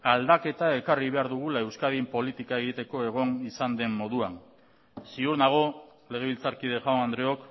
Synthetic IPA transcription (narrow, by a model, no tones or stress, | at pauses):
ald̪ake̞t̪ae̞kariβe̞aɾðuɣ̞ulae̞wskaðimpo̞lit̪ikae̞ɣ̞it̪e̞ko̞e̞ɣ̞o̞nisand̪e̞mːo̞ðuan | siuɾnaɣ̞o̞ | le̞ɣ̞e̞βilt͡saɾkið̞e̞ʝawnand̪ɾeo̞k